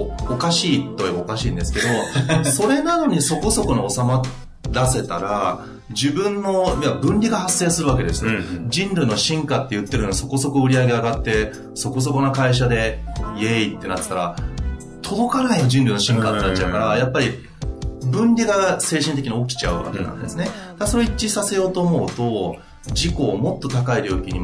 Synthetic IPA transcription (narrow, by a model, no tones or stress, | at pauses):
okaɕiːt̪ːojeaokaɕĩːnd̪e̞sɨ̥ke̞d̪o̞so̞ɾe̞nano̞ɲ̟iso̞ko̞so̞ko̞noosama | ɾase̞t̪aɾa | d͡ʑibɯ̟̃nːo̞imabɯ̟̃nʲɾʲiɡahasːe̞ːsɨɾɯ̟βake̞d̪e̞sɨjod͡ʑĩnɾɯ̟no̞ɕĩŋkat̪ːe̞jɯ̟t̪ːɾɯ̟oɲiso̞ko̞so̞ko̞ɯ̟ɾʲiaɡʲe̞aɡat̪ːe̞ | so̞ko̞s̬o̞ko̞nokaiɕ̬ad̪e̞jeit̪ːe̞nat̪ːɨ̥t̪aɾa | t̪ʰo̞d̪o̞kanaiod͡ʑĩnɾɯ̟ino̞ɕĩŋkat̪ːe̞nat͡ɕaɯ̟kaɾajapːaɾʲi | bɯ̟̃nɾʲiɡase̞ːɕĩnt̪e̞kʲiɲio̞kʲi̥t͡ɕaɯ̟βa̰kenã̰nd̪e̞sɨne̞d̪̥aaso̞ɾoit͡ɕːisase̞jo̞ːt̪o̞ːmo̞ɯt̪o̞ | d͡ʑiko̞ːmo̞t̪ːo̞t̪akaiɾʲo̞ːkʲiɲ̟i